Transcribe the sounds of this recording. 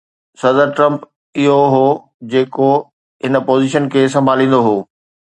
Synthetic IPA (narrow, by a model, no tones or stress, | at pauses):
sɐd̪əɾʈɾə̃mp | ɪɦoɦoː | d͡ʑeːko | ɦɪnə̆poːziʃənkʰeːs̬ɐ̃mbʱaːlĩːn̆d̪oɦoː